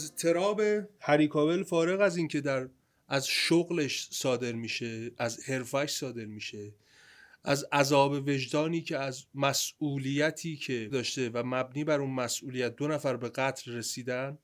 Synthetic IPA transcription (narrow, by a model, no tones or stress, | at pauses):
æzt̪ʰe̞ɾɒːbehæɾiːkʰɒːbe̞lfɒːɾe̞ɣæziːncʰe̞d̪æɾ | ʔæzʃoɣleʃsɒːd̪e̞ɾmiːʃeʔæzhe̞ɾfæʃsɒːd̪e̞ɾmiːʃe̞ | ʔæzʔæzɒːbe̞ve̞ʒd̪ɒːniːcʰe̞æzmæsuːlijæt̪ʰiːcʰe̞d̪ɒːʃt̪e̞væmæbniːbæɾuːnmæsʔuːlijæt̪̚d̪onæfæɾbe̞ɣæt̪ʰlre̞siːd̪æn